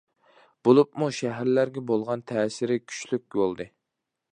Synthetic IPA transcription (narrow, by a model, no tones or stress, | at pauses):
b̥olˠupmuʃæɦæɾlæɾɡʲɛbolˠʁɑnt̪ʰɛːsɪɾɪkʲʰy̥t͡ʃlyk̚ʲbolˠd̪ɨ